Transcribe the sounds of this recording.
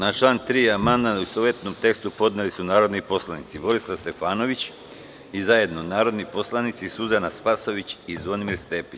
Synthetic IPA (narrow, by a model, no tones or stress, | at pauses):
nat͡ʃlˠaːnt̪ɾiːamand̪anusoʋjet̪nomt̪e̞kst̪upo̞d̪nelisunaːɾo̞d̪nipo̞slˠanit̪sibo̞ɾislˠast̪e̞faːno̞ʋit͡ɕ | izaje̞d̪no̞naːɾo̞d̪nipo̞slˠanit̪sisuzanaspaso̞ʋit͡ɕizʋonimiɾst̪e̞ːpi